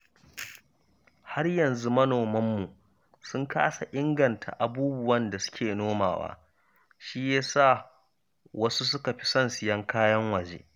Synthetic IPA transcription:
ha˦rjɐ˨nzu˦mɐ˦noː˨mɐ˦mːu˨ | sʊ˦ŋka̰ː˦sa˨ʔɪ˦ŋɡɐ˨ntʰa̰˨ʔa˨buː˦bʊ˨wɐ˦nda˨sʊ̥˦kʲeː˨noː˦ma̰ː˨wa̰ː˦ | ʃiː˦jaː˦saː˦˨ | wɐ˦su˦s̬ʊ˦ka˨ɸi̥˦sɐ˦nsɪ˨jɐ˦ŋkʰaː˦jɐ˦ŋwɐ˨d͡ʒḛː˦

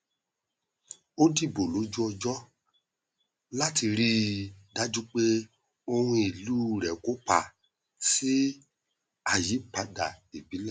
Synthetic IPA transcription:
o˦di˦˨bo˨lo˨˦d͡ʒu˦ɔ˧d͡ʒɔ˦ | la˦ti˧ɾi˦da˦d͡ʒu˦k͡pe˦ | o˧hũ˧i˨lu˦ɾɛ˨ko˨˦k͡pa˧˨ | si˦ | a˧ji˨˦k͡pa˧˦da˨e˨bi˨˦la˦˨

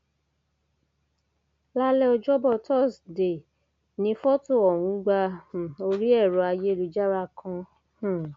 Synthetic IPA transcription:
la˦lɛ˦ɔ˧d͡ʒɔ˦bɔ˦˨tɔ˦˨sde˨ | nĩ˨˦fɔ˦to˦˨ɔ˨wũ˨˧˦ɡ͡bã˧˨o˧ɾi˦ɛ˦˨ɾɔ˨˧˦a˧je˦lu˧d͡ʒa˦ɾa˧˨kʰã˧ | h̩˨

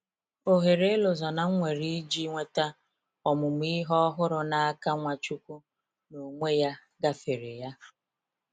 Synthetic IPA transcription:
o˨ɦe˨ɾe˦lo˨zɔ˨na˨˦ŋʷe˨ɾi˦d͡ʒi˦ŋʷe˦ta˦ | ɔ˨mʊ˨m˦i˦ɦɔ˦ɦʊ˦ɾʊ˨na˦a˦ka˦ŋʷa˨t͡ʃu˦kʷu˦ | no˨ŋʷe˦ja˦ | ɡa˦fe˨ɾḛ˨ja˦

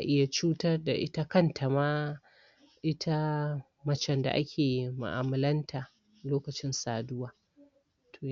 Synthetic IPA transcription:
a˨ʔɪ˦ja˨t͡ʃuː˦tɐ˦rda˨ʔɪ̰˦ta˦kɐ˦ntʰa˨maː˦ | ʔɪ˦tʰa˦ | mɐ˦t͡ʃɛ˨nda̰˨ʔa̰˦kʲʰeː˨i˨ma̰˨ʔa̰ː˨mɐ˨lɐ˦ntʰa˨ | loː˦kɐ˨t͡ʃɪ˦nsaː˨dʊ˦waː˨ | tʰo˨

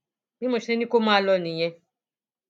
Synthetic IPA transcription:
mi˦mo˨ʃi˦ne˦ni˦ko˦ma˦˨lɔ˦˨ni˨ɲɛ̃˦

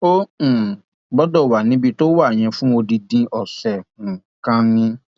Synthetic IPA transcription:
õ˦˨ | bɔ˦dɔ˦˨wa˨nĩ˨˦bi˧to˦wa˦˨j̃ɛ̃˧fũ˦o˧di˧dĩ˧ʔɔ˨sɛ˨ñ̩˨ | kã˦nĩ˦

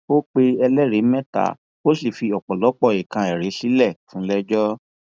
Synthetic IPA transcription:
o˦k͡pe˧ɛ˧lɛ˦ɾe˨˦mɛ̃˦ta̰˨˦ | o˦si˦˨fi˧ɔ˨k͡pɔ˨lɔ˨˦k͡pɔ˦˨i˨kã˧ɛ˨ɾe˨˦si˦lɛ˦˨fũ˨˦lɛ˦d͡ʒɔ˦

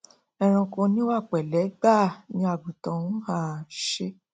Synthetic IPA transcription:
ɛ˧ɾ̃ɔ̃˧kõ˧nĩ˦o˦a˦˨k͡pɛ˨lɛ˨˦ɡ͡ba˦˨nĩ˧˦a˧˨bu˨tɔ̃˨˦ũ˦ha˦˨ʃe˧

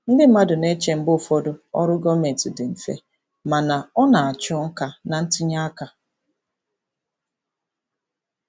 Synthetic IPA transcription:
n̩˦dɪ˦a˦dʊ˨ne˦t͡ʃe˨m̩˦bʊ˦˨fɔ˦dʊ˦ɔ̰˦ɾʊ˦ɡɔ˦me˨n˨tɪ˨dɪ˨m̩˨fḛ˦ | ma˨na˨ɔ˦na˨a˨t͡ʃɔ˦ŋ̩˦ka˨na˨n̩˦tɪ˦ɲa˦ka˨

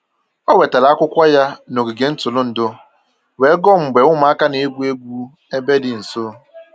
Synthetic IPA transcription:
ɔ˦we˨ta˨la˨˦kʷʊ˦kʷa˦ja˦no˨ɡi˨ɡe˨n̩˦tʊ˨lʊ˦n̩˨dʊ˦ | we˨˦ɡɔ˦m̩˨ɡ͡be˨ŋʷʊ˦m˨a˦ka˦ne˨e˦ɡʷu˦e˦ɡʷu˦ | e˦be˦dɪ˨n̩˨so˦

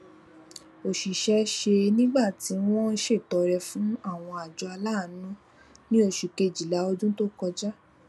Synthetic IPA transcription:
o˨ʃi˨ʃɛ˦ʃe˧nĩ˦ɡ͡ba˦˨ti˨˦w̃ɔ̃˦ʃe˦˨tɔ˨˧ɾɛ˧fũ˦a˦˨w̃ɔ̃˧a˨d͡ʒɔ˧a˧laː˦˨˦nũ˦ | nĩ˦o˦˨ʃi˨ke˧˨d͡ʒi˨la˨˦o˧d͡ʒũ˦to˦kɔ˧d͡ʒa˦

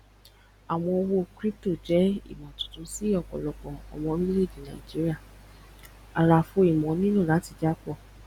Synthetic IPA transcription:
a˨w̃ɔ̃˧o˧wo˧kɾi˦p̚to˦˨d͡ʒɛ˨˦ḭ˦˨mɔ̃˨tũ̥˨tũ˧˦si˦ɔ˦˨kɔ̰˨lɔ˨kɔ̃˨ɔ̰˨w̃ɔ̃˧ɾĩ˦i˦le˦˨d͡ʒĩ˨nã̰˨i˨d͡ʒi˦ɾi˦a˦˨ | a˧ɾa˧fo˧˦i˨mɔ̃˨˦nĩ˦nũ˦˨la˨˦ti˧˨d͡ʒa˦k͡pɔ˦˨

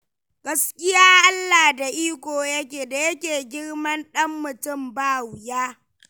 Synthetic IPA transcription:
ɡ̥ɐ˦skʲɪ˦jaː˦ʔa˦lːaː˨da˨ʔiː˦kʷoː˨jɐ˦k̬ʲeː˨da˨jɐ˦kʲeː˨ɡʲɪ˦rmɐ˦nɗɐ˦mːʊ˨tʊ˦˨mbaː˦wjaː˦

